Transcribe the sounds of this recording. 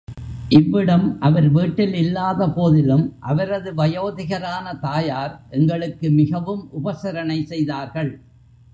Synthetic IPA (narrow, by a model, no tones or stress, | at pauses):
ʔɪʋːɪɽɐmʔɐʋɐɾʋiːʈːɪlɪlːaːðɐpoːðɪlɯmʔɐʋɐɾɐðɯʋɐjoːðɪɣɐɾaːnɐt̪aːjaːɾʔɛŋɡɐɭɯkːɯmɪɣɐʋɯmʔʊbɐsɐɾɐnɐɪsɛjðaːɾɣɐɭ